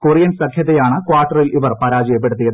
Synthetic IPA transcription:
kurijɐnsɐkʰjɐðɐjaːɳɨkwaːʈːɐrilʔiʋɐrpɐɾaːd͡ʑɐjɐpːe̞ɽut̪ːijɐðɨ

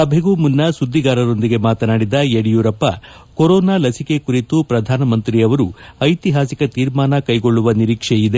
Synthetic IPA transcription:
sɐbʱeɡuːmunːɐsud̪ʱːiɡaːɾɐɾo̞nd̪iɡe̞maːt̪ɐnaːɽid̪ɐjeɽijuːɾɐpːɐ | koɾɔːnaːlɐsike̞kuɾit̪upɾɐd̪ʱaːnɐmɐnt̪ɾiːɐʋɐɾuɐjt̪iɦaːsikɐt̪iːɾmaːnɐkɐjɡo̞ɭːuʋɐniɾiːkʂejid̪e̞

